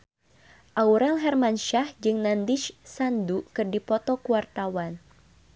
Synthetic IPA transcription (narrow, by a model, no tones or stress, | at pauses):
ʔauɾɛlɦɛrmanʃahd͡ʒɨŋnandiʃsandukɨrdipɔt̪ɔkuwart̪awan